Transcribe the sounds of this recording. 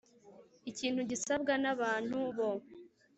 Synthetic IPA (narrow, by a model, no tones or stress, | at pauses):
iciːn̥huɟisabɡanaβaːn̥huβo